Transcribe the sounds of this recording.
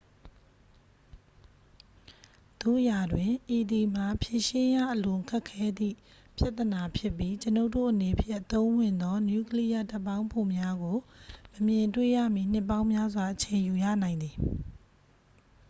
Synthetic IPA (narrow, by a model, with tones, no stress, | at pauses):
t̪ṵ˦˨ʔja˨dwɪ̃˨ʔi˨d̪i˨m̥a˨pʰje˦˨ʃɪ̃˦ja̰˦˨ʔəlʊ̃˨kʰɛ˦ʔkʰːɛ˦d̪ḭ˦˨ | pja˦ʔt̪ːəna˨pʰjɪ˦pːji˦t͡ɕəno˦ʊtːo̰˦˨ʔəne˨pʰjɪ˦ʔət̪õ˦ʊ̃wɪ̃˨nd̪ɔ˦nju˦kəli˦ja˨ta˦pːã˦ʊ̃mpʰo˨mja˦ɡo˨məmjɪ̃˨ntwḛ˦˨jä̰˦˨mḭ˦˨n̥ɪ˦pːã˦ʊ̃mja˦zwa˨ʔət͡ɕʰẽ˨ju˨jä̰˦˨nã˨ɪ̃nd̪i˨